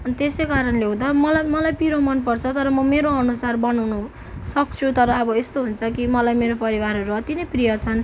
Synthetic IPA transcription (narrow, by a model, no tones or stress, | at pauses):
ʌnt̪esejkaɾʌnleũd̪amʌlajmʌlajpiɾomʌnpʌrt͡sʰʌt̪ʌɾʌmʌmeɾoʌnusarbʌnawnu | sʌk̚t͡sʰut̪ʌɾʌːbʌest̪oɦunt͡sʰʌkimʌlajmeɾopʌɾibaɾɦʌɾuʌt̪inʌjprijʌt͡sʰʌn